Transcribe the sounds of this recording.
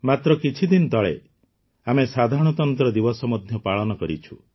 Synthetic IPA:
mat̪ɾɔkit͡ʃʰid̪ind̪ɔɭḛ | amesad̪ʱaɾɔɽ̃ɔt̪ɔnt̪ɾɔd̪ibɔsɔmɔd̪ʱjɔpaɭɔnɔkɔɾit͡ʃʰu

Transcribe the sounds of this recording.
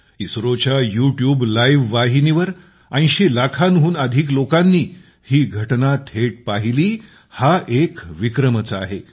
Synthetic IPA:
isɾot͡ɕjajuʈjuːblajʋːaɦiniʋəɾ | ãj̃ɕelakʰanɦuːnəd̪ʱiːk̬lokanːiː | hiːɡʱəʈnat̪ʰeʈ̚paɦiliː | haʔekʋikɾəmət͡səaɦe

